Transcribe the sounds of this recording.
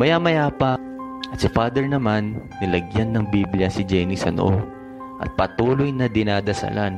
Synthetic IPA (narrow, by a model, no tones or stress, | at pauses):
mɐjaːmɐjaːpɐ | ʔɐt̪sɪfaːd̪ɛɹnɐmanː | ɪlɐɡjanːɐŋbibljɐsɪd͡ʒɛjnisɐn̰ʔo | ʔɐ̰t̪̚pɐt̪uːlo̞jnɐd̪ɪnaːd̪ɐsa̰lan